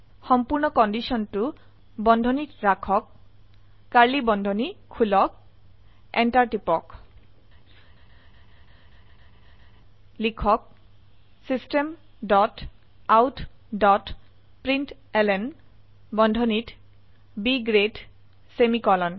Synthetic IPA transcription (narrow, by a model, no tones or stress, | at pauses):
xɔmpuɹnɔkɔndisɔntu | bɔndʱɔnitɹakʰɔkː | aɹlibɔndʱɔnikʰulɔk̚ | ɛntaɹtipɔk | likʰɔk̚ | sistem | dɔt | awtʰdɔt | pɹint | ɛlɛn | bɔndʱɔnit | biɡɹed | semikɔlɔn